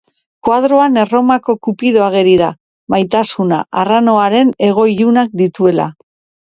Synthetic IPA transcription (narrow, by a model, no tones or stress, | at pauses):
kwað̞ɾo̞ane̞ro̞mako̞kupiðo̞aɣ̞e̞ɾiða | majt̪asuna̰ʔaranoaɾe̞ne̞ɣ̞o̞iʎunak̚d̪it̪ue̞la̰